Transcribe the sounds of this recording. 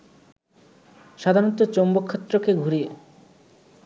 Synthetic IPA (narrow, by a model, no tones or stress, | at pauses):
ʃad̪ʱaɾɔt̪ːot͡ɕombokʰːet̪ːɾokeɡʱuɾie